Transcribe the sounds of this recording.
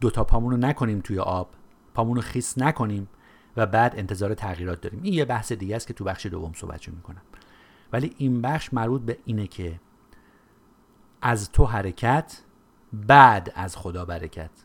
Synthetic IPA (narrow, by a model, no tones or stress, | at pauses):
d̪̥ot̪ʰɒːpʰɒːmuːnonækʰo̞niːmt̪ʰujḛʔɒːb̥ | pʰɒːmuːnoxiːsnækʰo̞niːm | væbæːd̪e̞nt̪ʰe̞zɒːɾe̞t̪ʰæɣiːɾɒːt̪̚d̪ɒːɾiːmiːnjebæhsed̪iːɟææst̪cʰe̞t̪ʰubæχʃed̪o̰vːo̞mso̰hbæ̰t̪ʃomiːkʰo̞næm | væliːʔiːnbæχʃmæɾbuːt̪̚beʔiːnecʰe | ʔæzt̪ʰo̞ɦæɾecʰæt̪ʰ | bæd̪æzxo̞d̪ɒːbæɾecʰæt̪ʰ